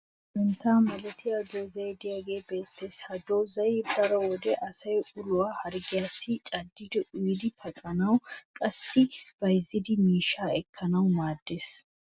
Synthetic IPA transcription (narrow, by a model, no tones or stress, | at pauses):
ʔɪnt̪aːmɐlɛt̪ʰɪjad̪oːzɐjd̪ɪjaːɡe̞ːbe̞ːt̪ːeːshɐd̪oːzɐjd̪ɐɾɔwɔd̪ɛʔɐsɐjʔʊlʊwahɐɾɡɪjaːsːɪt͡ʃʼɐd̪ːɪd̪ɛʔʊjɪd̪ɪpʰɐkʼɐnɐwkʼɐsːɪb̥ɐjzːɪd̪ɪmiːʃaːɛkʰːɐnɐwmaːd̪ːeːs